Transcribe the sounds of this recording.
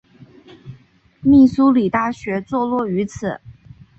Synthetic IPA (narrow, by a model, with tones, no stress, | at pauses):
mi˥˩su˥li˨˩t̪a˥˩ɕɥɛ˧˥t͡swɔ˥˧lwɔ˥˩y˧˥t͡sʰɹ̩˨˩˦